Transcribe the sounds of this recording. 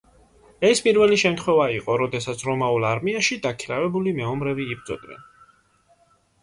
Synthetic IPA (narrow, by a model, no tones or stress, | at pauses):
ɛspʼiɾvɛliʃɛmt̪χwɛvaiqʼɔɾɔd̪ɛsat̪sʰɾɔmaulˠaɾmiaʃid̪akʰiɾavɛbulimɛɔmɾɛviːbd̪zɔ̰d̪nɛ̰n